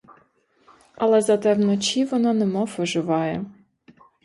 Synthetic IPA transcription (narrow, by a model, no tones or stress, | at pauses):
ɐlˠɛzɐt̪ɛwnɔt͡ʃʲiʋɔnɑnɛmɔfʋɔʒɪʋɑjɛ